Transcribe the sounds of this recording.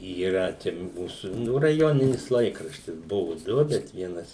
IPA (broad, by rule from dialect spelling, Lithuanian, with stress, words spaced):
iːˈrɐ t͡ʃʲɛ ˈmuːsuː ˈnʊ rɐˈjoːnʲɪnʲɪs ˈlˠɐɪkrɐʃʲtʲɪs ˈbʊʋʊ ˈdʊ bʲɛt ˈʋʲiɛnɐs